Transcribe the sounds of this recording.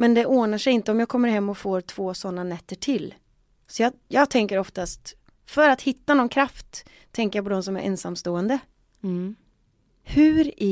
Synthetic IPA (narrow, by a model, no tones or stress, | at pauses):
mɛnd̪ɛʔoːnaʂɛjɪnt̪əɔmjaːɡkʰɔmːəɾhɛmːɔfoːɾt̪ʰv̥oːsɔnːanɛt̪ːəʈʰɪlː | sɔjɑːjɑːɡ̚t̪ʰɛŋkəɾɔft̪ast̪ | fœɾat̪hɪt̪ːanɔnkʰɾaft̪ʰː | ɛŋkəɾjap̬ʰɔd̪ɔmsɔmæ̰ɾʔɛ̰nsamːst̪oːɛnd̪ə | hʉ̟ɾ